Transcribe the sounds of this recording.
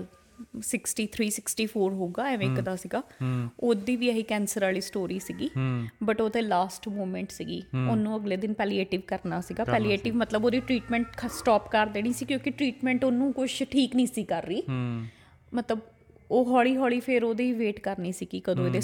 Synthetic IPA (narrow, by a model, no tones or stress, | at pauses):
sɪksʈiːt̪ʰɾiːsɪksʈiːpʰoːɾɦoːɡaːɛʋ̃ɪkd̪aːsiːɡaːoːd̪iːʋiːəɦiːkɛ̃ːnsəɾaːliːsʈoːɾiːsiːɡiːbəʈoːt̪eːlaːsʈmoːmɛ̃ɳʈsiːɡiːonːũːəɡleːd̪ɪnpɛːlieːʈɪʋkəɾnaːsiːɡaːpɛːlieːʈɪʋmət̪ləboːd̪iːʈɾiːʈmɛ̃ːɳʈʰsʈɔːpkəɾd̪eːñĩːsiːkjõːkɪʈɾiːʈmɛ̃ːɳʈonũːkʊʃʈʰiːknĩːsiːkəɾːiː | mət̪ləb | oːɦɔːɭiːɦɔːɭiːpʰɪɾoːd̪iːʋeːʈkəɾniːsiːɡiːkəd̪õːeːd̪eː